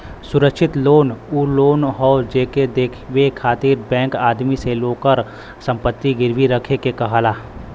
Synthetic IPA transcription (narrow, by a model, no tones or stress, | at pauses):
sʊɾəkʃɪt̪loːnuːloːnɦɔːd͡ʒeːked̪eːkʰʋekʰaːt̪iːɾbɛ̃ːŋkaːd̪miseloːkəɾ | sɐ̃mpət̪ːiɡɪɾʋiɾɐkʰekekɐɦalaː